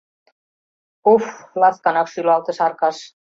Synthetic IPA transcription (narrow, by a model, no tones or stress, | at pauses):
oflaðk̪anaxsylɔawt̪ɪsaɾkas